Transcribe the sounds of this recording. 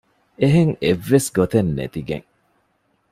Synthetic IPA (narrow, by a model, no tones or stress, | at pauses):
eɦeŋevːesɡot̪enːḛt̪iɡḛŋ